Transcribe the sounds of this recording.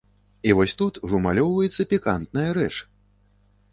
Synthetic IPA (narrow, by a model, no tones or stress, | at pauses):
ivɔsʲt̪ut̪ɣumalʲɔwvɐjɛt̪sːɐpʲikant̪nɐjɐɾɛ̰t͡ʂ